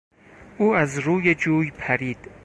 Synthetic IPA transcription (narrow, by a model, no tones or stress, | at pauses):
uːæzɾuːjed͡ʒuːjpʰæɾiːd̪̥